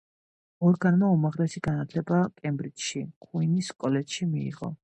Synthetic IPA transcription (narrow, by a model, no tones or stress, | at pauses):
ɔɾɡanmaumaʁlɛsiɡanat̪ʰlɛbakʼɛmbɾit̪ʃikʰʼuiniskʼɔlɛt̪ʃimiḭʁɔ̰